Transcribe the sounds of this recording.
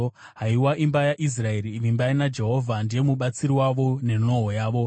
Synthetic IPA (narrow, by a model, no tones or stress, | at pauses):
ɦaiwaʔimbajaʔis̬rae̞ɾiʋimbainad͡ʒe̞ɦo̞vʱandije̞muɓat͡siɾiwaʋo̞ne̞no̞ɦojaːʋo̞